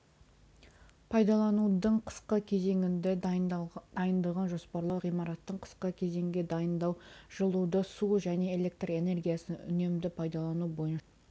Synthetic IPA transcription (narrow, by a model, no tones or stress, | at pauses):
pʰɑjd̪ɑlˠɑnud̪əɴqʰə̥sqəkʲʰe̞ze̞ŋɪnd̪e | d̪̥ɑjənd̪əʁɑnʒo̞spɑɾlˠɑwʁijmɑɾɑt̪ːəɴqʰə̥sqəkʲʰe̞ze̞ŋɡʲe̞d̪ɑjənd̪ɑwʒ̥əlˠud̪əsuʒæne̞ele̞k̚t̪re̞ne̞rɡʲijasənʏ̰ne̞md̪ɪpʰɑjd̪ɑlˠɑnubo̞jən